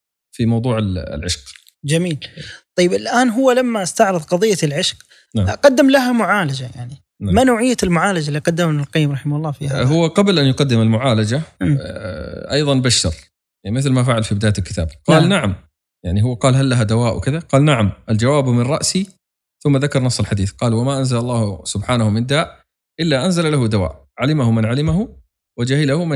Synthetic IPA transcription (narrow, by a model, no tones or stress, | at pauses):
fimɑwðˤuːʕɪ̰lʕɪ̰ʃq | d͡ʒamiːlt̪ˤɑjːɪbɪlʔaːnɦʊwːalamːast̪aʕɾɨðˤqɑðˤɨjːalʕɪʃq | aʕqɑd̪ːɪmlaɦamʊʕaːlad͡ʒaja̰ʕni | amanoːʕɪjːalmʊʕaːlad͡ʒalːiːqɑd̪ːamnalqɑjːɪmɾˤɑħɪmahʊlˤːɑːfiːahʊwːaqɑblʔanjqɑd̪ːɪmalmʊʕaːlad͡ʒa | ʔɑjðˤɑnbaʃːɑ̰ɾ | mɪθlmafaʕalfibɪd̪aːalkɪt̪ʰa̰ːbqɑːlnaʕam | jaʕniɦʊwːaqɑːlɦalːaɦad̪awaːʔwkɪðaqɑːlnaʕamʔald͡ʒawaːbmɪnˤɑʔsi | θʊmːaðakɑɾˤnɑsˤːɪlħad̪iːθqɑːlwamaʔanzalɑlˤːɑːhsʊbħaːnahʊmɪnd̪aːʔ | ʔɪlːaʔanzalalahʊd̪awa̰ːʔ | ʕalɪmahʊmɪnʕalɪmaɦu | wɪd͡ʒahɪlahʊm